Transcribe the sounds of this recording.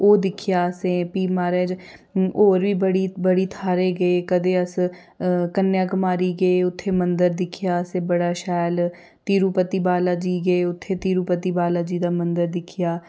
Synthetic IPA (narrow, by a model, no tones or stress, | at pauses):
oːd̪ɪkʰɪjaːsẽːpiːmaːɾed͡ʒoːɾʋiːbəɽiːbəɽiːt̪ʰaːɾeːɡəeːkəd̪eːəs | kənːjaːkmaːɾiːɡəeːʊt̪ʰːeːmənd̪əɾd̪ɪkʰɪjaːəseːbəɽaːʃɛːl | t̪iːɾuːpət̪iːbaːlaːd͡ʒiːɡəeːʊt̪ʰːeːt̪iːɾuːpət̪iːbaːlaːd͡ʒiːd̪aːmənd̪əɾd̪ɪkʰɪjaː